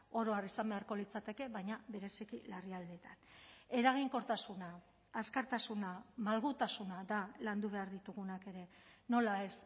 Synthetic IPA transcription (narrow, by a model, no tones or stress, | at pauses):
o̞ɾo̞arisambe̞aɾko̞lit͡sat̪e̞ke̞βajɲaβe̞ɾe̞sikilariald̪e̞t̪ane̞ɾaɣ̞iŋko̞ɾt̪asunaː | skaɾt̪asunamalɣut̪asunaðaland̪uβ̞e̞aɾðit̪uɣ̞unake̞ɾe̞no̞lae̞s